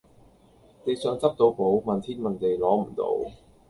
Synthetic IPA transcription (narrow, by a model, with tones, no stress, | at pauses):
t̪e˨˧jsœː˨˧ŋt͡sɐ˥p̚t̪o˧wpo˨˥wmɐ˨nt̪ʰiː˥nmɐ˨˩nt̪e˨jlɔː˨˥m̩˨˩t̪o̰˧w